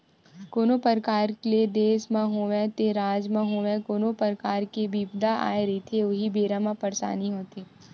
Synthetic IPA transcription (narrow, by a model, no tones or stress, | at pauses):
koːnopəɾkaːɾkled̪eːsmãɦoːʋɛ̃t̪eɾaːd͡ʒmãɦoːʋẽkoːnopəɾkaːɾkebiːbd̪ʱaʔa̰ːeɾɐit̪ʰeʊɦibeːɾamãpɐɾsa̰ːniɦoːt̪eː